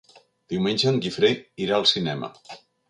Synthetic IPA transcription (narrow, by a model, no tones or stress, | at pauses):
d̪̥iwmenʲʒəːŋɡifɾeiɾaəlˠsinɛmə̰